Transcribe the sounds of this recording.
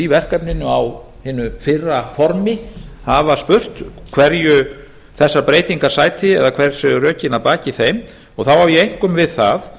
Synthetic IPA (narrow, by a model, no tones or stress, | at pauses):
ivɛr̥kapnɪnːʏaw | hɪːnːʏfɪrːafɔɾmɪhavaspʏr̥t̪kʰv̥ɛɾjʏ | θɛsːaɾpɾeːjt̪iŋkḁsaːjt̪ʰɪɛ̰ðakʰv̥ɛɾr̥sɛrœːcɪnapaːcɪθejm | ɔɣθawhavjɛejŋ̥kʏmvɪðθað